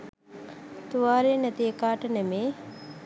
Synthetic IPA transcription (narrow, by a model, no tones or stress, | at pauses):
t̪uʋaːɾenæt̪iekaːʈənemeː